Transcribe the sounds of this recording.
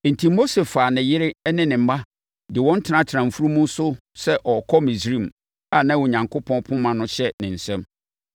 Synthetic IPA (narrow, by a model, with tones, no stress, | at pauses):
n̩˨tʰĩ˨mo˦se˨fa˨nɪ̃˨jɪ˦ɾɪ˦nɪ̃˦nɪ̃˨m̩˦ma˦ | dɪ˨wɔ̃˦n̩˦tʰɪ˨nã˦tʰɾã˨m˨fu˦ɾu˦mũ˦sʊ˦ | sɛ˦ʔɔ˨kʰɔ˦mĩ˨sɾĩ˦˨m | a˨nã˦wʊ˨ɲã˨ŋkʰʊ˦pʰɔ̃˦npʰʊ̃˦mã˨nʊ̃˦ɕɛ˦nɪ̃˨n̩˨sɛ̃˦m